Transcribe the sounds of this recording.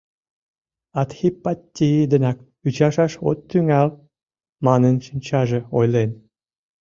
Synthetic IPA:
ɑt̪xipːɑtʲːiid̪ənɑk | yt͡ɕɑʃɑʃo̰t̪ːyŋɑl | mɑnənʃinʲt͡ɕɑʒĕojlen

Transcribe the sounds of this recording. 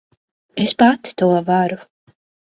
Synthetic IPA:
espat̪t̪uɔvaɾu

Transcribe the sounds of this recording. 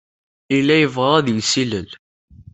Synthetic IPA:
ilːæjəvʁæˤæðjsiləl

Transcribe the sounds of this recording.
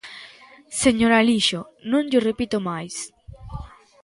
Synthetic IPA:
seɲoɾaliʃo | nõŋʎorepit̪omajs

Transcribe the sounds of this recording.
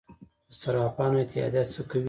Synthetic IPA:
d̪əsaɾɑpɑnoɪt̪ɪɑ̰d̪at͡səkaw

